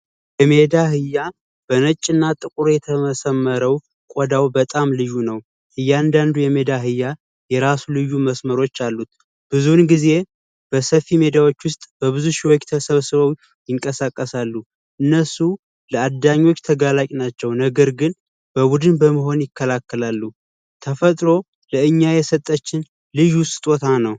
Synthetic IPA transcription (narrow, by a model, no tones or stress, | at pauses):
jɛme̞d̪ahɨjːa | b̥ənət͡ʃʼːɨnːat̪ʼɨkʼuɾojɛt̪ʰəməsəmːəɾəw | kʷʼɔd̪awbət̪ʼamlɨjːunəw | ʔɨjːand̪and̪ujɛmed̪aɦɨjːa | jɛɾasulɨjːuməsməɾo̞t͡ʃːalːut̪ | b̥ɨzunɡize̞ | b̥əsəfːime̞d̪awot͡ʃːwʊst̪ʼb̥əβɨzuʃiwot͡ʃːt̪ʰəsəβsɨβəw | jɪŋkʼəsakʼːəsalːu | ʔɨnːəsu | ləad̪aɲːo̞t͡ʃːt̪ʰəɡalakʼnat͡ʃːɛwnəɡəɾɡɨn | b̥əbud̪ɨnbəməɦo̞njɪkːəlakːəlalːu | t̪ʰəfət̪ʼɾo̞ | ləɨɲːajɛsət̪ʼːət͡ʃːɪn | lɨjʊst̪ʼt̪ʼo̞t̪ʰanəw